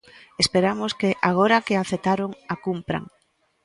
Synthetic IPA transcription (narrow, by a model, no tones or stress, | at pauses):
espeɾamoskeʔaɣ̞oɾakeaθet̪aɾoŋakumpɾa̰ŋ